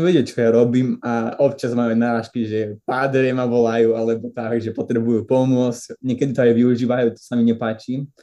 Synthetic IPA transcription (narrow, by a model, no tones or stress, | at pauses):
ʋɛɟɛt͡ʃɔjaɾɔbimaɔpt͡ʃazmajuanaɾaːʃkiʒɛpad̪ɾɛmaʋɔlajualɛbɔt̪akʒɛpɔt̪ɾɛbujupɔmʊɔt͡scɲɛkɛd̪it̪ɔajʋiuʒiːʋajuːt̪ɔ̥samiɲɛpaːt͡ʃi